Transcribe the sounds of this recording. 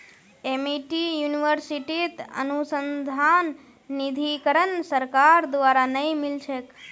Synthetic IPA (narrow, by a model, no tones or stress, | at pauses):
emiʈijuniʋəɾsiʈit̪ə̰nusənd̪ʱanː | id̪ʱikəɾənsəɾkaɾd̪ʋaɾanəimilt͡ʃʰek